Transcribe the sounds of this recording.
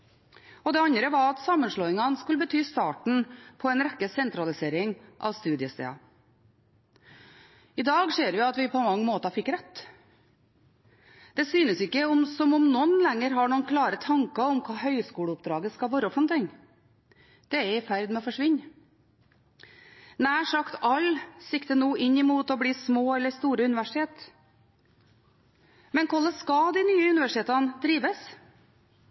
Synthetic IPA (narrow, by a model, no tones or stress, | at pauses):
ɔd̪ɛɑɲɾəʋɑɾɑt̪sɑmːənʂɭoːɪŋɑnskʉləbət̪ʰyːst̪ɑːʈɳ̩pʰɔɛnɾɛkːəsɛnt̪ɾɑlɪseːɾɪŋʔɑ̰ʋst̪ʉːd̪ɪəst̪ḛːɑ̰ | ɪd̪ɑːɡseːɾʋɪɑt̪ʋɪpʰɔmɑŋːəmoːt̪ɑfɪkːɾɛt̪ː | d̪̥ɛsyːnəsɪkːəɔmsɔmɔmnɔnlɛŋːəɾɦɑɳuːnkʰlɑːɾət̪ʰɑŋkɑɔmkʰɑːhœʏskuːɽəʊp̚d̪ɾɑːɡəskɑlʋoːɾɔfɾɔmt̪ʰɪŋː | d̪̥ɛɛɾɪfæɾd̪mɛɔfɔʂʋɪɲː | næːʂɑkt̪ɑlsɪkt̪ənuːɪɲːɪmuːt̪ɔbliːsmoːɛlːəɾst̪uːɾəʉnɪʋæʂɪ̥t̪ʰeːt̪ | mɛnkʰɔlːəskɑd̪ɪnyːəʉnɪʋæʂɪt̪ʰeːt̪ɑnd̪̥ɾiːʋəs